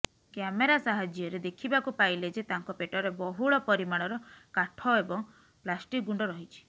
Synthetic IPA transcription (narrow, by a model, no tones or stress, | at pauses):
kjameɾasaɦad͡ʒjɔɾed̪ekʰibakupailed͡ʒet̪aŋkɔpeʈɔɾebɔɦuɭɔpɔɾimaɭ̃ɔɾɔkaʈʰɔebɔŋ | plasʈik̚ɡuɳɖɔɾɔɦit͡ʃʰi̥